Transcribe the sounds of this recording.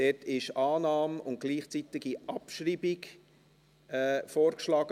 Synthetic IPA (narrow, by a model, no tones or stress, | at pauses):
d̥ɛtʰɪʃɑːnɑːmʊnt̚ɡ̥liːχt͡sit̪ɪɡiʔɑpʃriːbiɡ | ɛːfoːɾkʃlɑːɡ̥ə